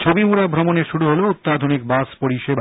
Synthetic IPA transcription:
t͡ɕʰobimuɾabʱɾomoneʃuɽuɦolout̪ːad̪ʱonikbaspoɾiʃeb

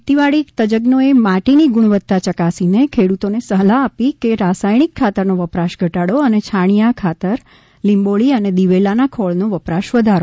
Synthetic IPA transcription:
t̪iʋaɽit̪əd͡ʒəɡnoemaʈiniɡuɽ̃ʋət̪ːat͡ʃəkasinekʰeɽut̪onesəɦlaːpikeɾasajɳ̃ikʰːat̪əɾnoʋəpɾaʃɡʱəʈaɽoənet͡ʃʰaɳ̃ijakʰat̪əɾ | limboɭiəned̪iʋelanakʰɔɭnoʋəpɾaʃʋəd̪ʱaɾo

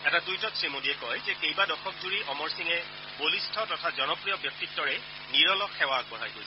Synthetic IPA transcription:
ɛtadujtɔsɹimodiɛkɔjzɛkejbadɔxʰɔk̚zuɹiʔɔmɔɹsiŋɛ | bolistʰɔtɔtʰazɔnɔpɹijɔbjɔk̚tik̚dɔɹɛ | niɹɔlɔkxɛwak̚bɔɹajɡojsʰɛ

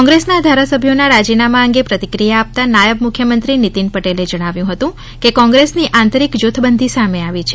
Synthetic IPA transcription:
ɔŋɡɾesnad̪ʱaɾasəbʱjonaɾad͡ʒinamaəŋɡepɾət̪ikɾijaːp̚t̪anajəbmukʰːjəmənt̪ɾinit̪inpəʈeled͡ʒəɽ̃aʋjũɦət̪ũ | kekɔ̃ŋɡɾesniʔãnt̪əɾikd͡ʒot̪ʰəbənd̪ʱisameaʋit͡ʃʰe

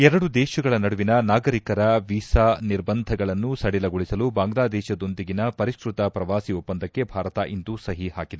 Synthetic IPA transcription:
ɛɾɐɽud̪ɛːʃɐɡɐɭɐnɐɽuʋinɐnaːɡɐɾikɐɾɐʋiːsaniɾbɐnd̪ʱɐɡɐɭɐnːusɐɽilɐɡoɭisɐlubaːŋɡlaːd̪ɛːʃɐd̪o̞nd̪iɡinɐpɐɾiʃkɾut̪ɐpɾɐʋaːsiupːɐnd̪ʱɐkːe̞bʱaːɾɐt̪ɐ̰ʔind̪usɐɦiɦaːkid̪e

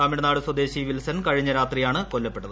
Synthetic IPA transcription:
aːmiɽɐnaːɽɨswɐd̪e̞ːɕiʋilsɐnkɐɻiɲːɐɾaːt̪rijaːɳɨko̞lːɐpːe̞ʈːɐðɨ

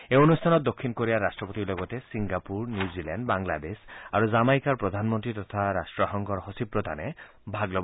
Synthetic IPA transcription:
eonust̪ʰanɔt̪̚d̪okʰːinkoɾiaɾasʈɾɔpot̪ilɔɡɔt̪esiŋɡapuɾnjuzilanɖbaŋla̰d̪esaɾuzamajkaɾpɾɔd̪ʱanmɔnt̪ɾit̪ɔt̪ʰaɾasʈɾɔxɔŋɡɔɾɦɔsibɾɔd̪ʱane | bʱaɡlɔb

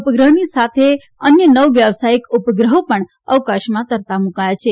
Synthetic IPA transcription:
pəɡɾəɦnisat̪ʰe | ənjənəʋʋjəʋsajikupəɡɾəɦopəɳ | əʋkaʃmãt̪əɾt̪amukajat͡ʃʰe

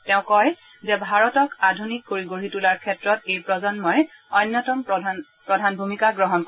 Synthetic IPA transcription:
tɛʊ̃kɔj | zɛbʱaɹɔtɔkadʱunikːoɹiɡoɹitulaɹkʰɛtɹɔtejpɹɔzɔnmɔj | ɔnːɔtɔm | pɹɔdʱanbʱumikaɡɹɔɦɔnk

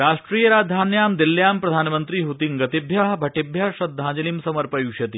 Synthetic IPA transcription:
ɾaːʂʈɾiːjɐɾaːd̪ʱaːnjaːmd̪iljaːmpɾɐd̪ʱaːnmɐnt̪ɾiɦut̪iŋɡɐt̪ibʱjɐɦbʱɐʈibʱjɐʃɐd̪ʱːãːd͡ʒɐlimsɐmɐɾpɐjuʃɐt̪i

